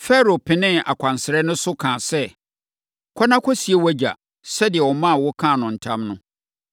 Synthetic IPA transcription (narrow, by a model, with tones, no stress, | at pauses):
fɛ˦ɾo˨pʰɪ̃˨nɪ̃˦a̰˨kʰʷã˨n˨sɪ˨ɾɛ˦nʊ̃˦sʊ˦kʰãː˨sɛ˦ | kʰɔ˦nã˦kʰɔ˦si˨e˦wæ˦d͡ʑa̰˨ | sɛ˦dɪ˨ɛ˨wɔ˨mã˦˨wɔ˦kʰã˦˨nʊ̃˨n̩˨tʰã˦mnʊ̃˦